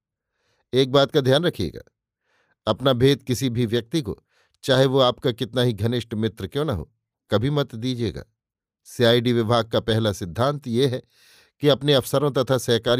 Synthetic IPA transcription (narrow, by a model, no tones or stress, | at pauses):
eːk̚baːt̪̚kad̪ʱjaːnɾɐkʰijḛːɡa̰ː | ɐpnabʱeːd̪kɪsibʱiʋjɐk̚t̪iko̰ | t͡ʃaːɦeʋoaːpkakɪt̪naɦiɡʱɐnɪʃʈmɪt̪ɾəkjõːnɐɦo̰ː | kɐbʱimɐt̪d̪iːd͡ʒieːɡa̰ː | siaːiɖiʋɪbʱaːɡ̚kapɛɦlasɪd̪ʱːãːnt̪jeɦɛ | kiɐpneɐfsəɾõt̪ɐt̪ʰasɛɦkaːɾ